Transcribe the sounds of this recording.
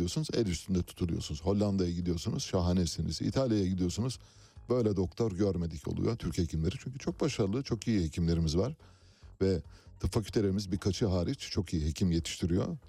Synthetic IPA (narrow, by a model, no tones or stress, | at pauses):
ijo̞sunuzɛ̰lʲyst̪ʰynd̪ɛt̪ʰu̥t̪ʰulˠujo̞sunuz̥ho̞lʲːand̪ajaɟid̪ijo̞sunuz̥ʃaɦanesinḭzḭt̪ʰalʲjajaɟid̪ijo̞sunuz̥ | bø̞jlʲɛd̪o̞k̚t̪ʰo̞ɾɟøɾme̞d̪ico̰lˠṵjot̪ʰyɾchecʰimlʲe̞ɾit͡ʃʰyɲcʰyt͡ʃʰo̞k̚baʃaɾlˠɯt͡ʃʰo̞kijihecʰimlʲe̞ɾimizvaɾ̥ | vɛd̪ɯfakʲʰylʲt̪ʰe̞lʲeɾimizbiɾkʰat͡ʃʰɯɦaːɾit͡ʃt͡ʃʰo̞kʰijiɦecʰimjet̪ʰi̥ʃt̪ʰiɾijo̞̰